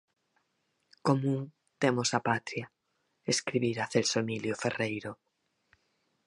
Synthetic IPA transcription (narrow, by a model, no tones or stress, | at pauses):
komũŋ | t̪emosapat̪ɾja | eskɾiβiɾaθelsoemiljoferejɾo